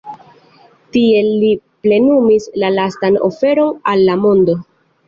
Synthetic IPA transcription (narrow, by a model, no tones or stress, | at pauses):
tie̞iple̞numislalastano̞̰fe̞ɾo̞nalːamo̞ndo̞